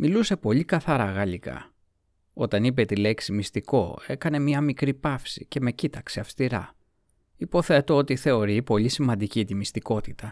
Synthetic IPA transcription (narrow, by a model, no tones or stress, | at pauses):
miluse̞po̞ʎikɐθɐɾɐɣɐlikɐ̰ | o̞t̪ɐnip̬e̞t̪ile̞ksimist̪iko̞̰e̞kɐne̞mɲɐmikɾipɐfsḭce̞me̞cit̪ɐkse̞ɐfst̪iɾɐ̰ | ipo̞θe̞t̪o̞ot̪iθe̞o̞ɾipo̞ʎisimɐnd̪icit̪imist̪iko̞t̪it̪ɐ